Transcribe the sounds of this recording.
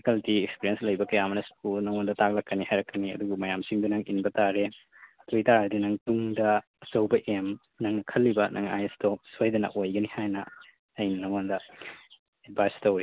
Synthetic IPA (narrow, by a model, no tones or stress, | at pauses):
kɐltiekspiɾienslɐjbɐkɐjamɐnɐskulnɐŋondɐtak̚lɐkːɐnihajɾɐkːɐniɐ̰duɡɐmɐjamsiŋdɐnɐŋḭnbɐtaɾe | ɐtʰojtaɾadinɐŋtuŋdɐ | ɐsɐwbɐʔem | nɐŋnɐkʰɐlːibɐnʔɐ̰ŋa̰jestosojdɐnɐ̰ʔojɡɐnihajnɐ | ɐjnɐnɐŋondɐ | ed̚bʱajstɐwɾi